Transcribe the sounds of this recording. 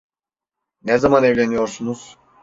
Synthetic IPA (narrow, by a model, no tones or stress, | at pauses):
nezamanevlʲenijo̞ɾsunuz̥